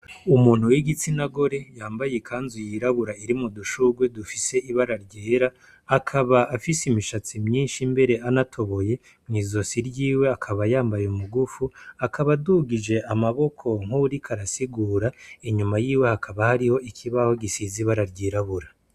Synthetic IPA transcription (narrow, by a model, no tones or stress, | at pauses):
umuːn̥huwiɡit͡sinaɡo̞ɾe̞jaːmbajekʰaːnzujiɾaβuɾaiɾimuduʃuɡwe̞dufise̞iβaɾaɾɟeːɾaː | kʰaβaʔafisimiʃat͡simɲiːnʃimbe̞ɾe̞ʔanatʰo̞βo̞je̞ | mŋiːzo̞siɾɟiːwe̞akʰaβajaːmbajeumuɡufuakʰaβaduɡid͡ʒe̞amaβo̞kʰo̞ŋ̥uɾikʰaɾasiɡuːɾaiɲumajiːwe̞hakʰaβahaɾiho̞ikʰiβaho̞ɡisiziβaɾaɾɟiːɾaβuɾa